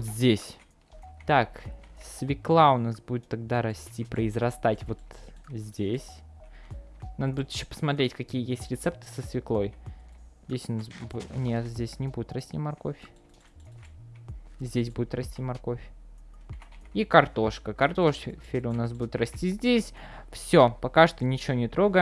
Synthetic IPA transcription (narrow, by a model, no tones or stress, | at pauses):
vot̪zʲdʲesʲ | t̪aksvʲɪklˠaʊnasbudʲɪt̪ːaɡd̪aɾɐsʲtʲipɾəɪzrɐst̪atʲvo̞t̪zʲdʲesʲ | nad̪əbudʲɪt̪jɪɕːopə̥smɐt̪ɾʲetʲkɐkʲijəjesʲtʲɾʲɪt̪sɛp̚t̪ɨ̥səsvʲɪklˠo̞jzʲdʲesʲʊnasbnʲet̪zʲdʲesʲnʲɪbudʲɪt̪ɾɐsʲtʲimɐrko̞fʲ | zʲdʲesʲbudʲɪt̪rɐsʲtʲimɐrko̞fʲ | ikɐrt̪o̞ʂkəkɐrt̪o̞ʂfʲelʲʊnas̬budʲɪt̪ɾɐsʲtʲizʲdʲesʲfsʲopɐkaʂt̪onʲɪt͡ɕɪvʲonʲɪt̪ɾo̞ɡə